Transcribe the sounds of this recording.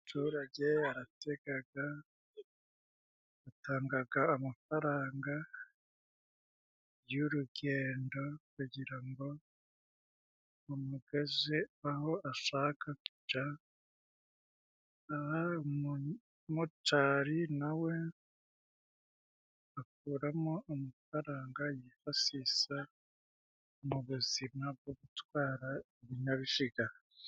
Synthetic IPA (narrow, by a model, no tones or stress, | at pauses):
tʰuːɾaɟe̞aɾate̞ɡaɡa | taːŋɡaɡaomafaɾaːŋɡa | ɾjoɾuɡe̞ːndo̞kuɟiɾaŋɡo̞ | omuɡezeaho̞aʃaːkʰaku̥d͡ʒa | aha | mutaɾinawe̞ | k̚uːɾamoːmufaɾaːŋɡajifasisa | muβuzimab̚ɡoβutwaːɾaeβiɲaβiʃiɡa